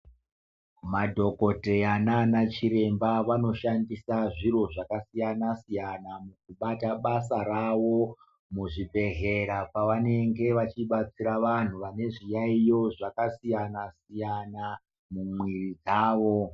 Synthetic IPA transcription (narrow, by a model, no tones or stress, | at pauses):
madʱo̞ko̞te̞ananat͡ʃiɾe̞mbaʋano̞ʃandisaʐiɾo̞ʐakasijanasijanamuk̚uɓataɓasaɾaʋo̞ | muʐibʱe̞ɦe̞ɾapaʋane̞ŋɡe̞ʋat͡ʃiɓat͡siɾaʋan̤uʋane̞ʐijaijo̞ʐakasijanasijana | mumwirid͡zaːʋo̞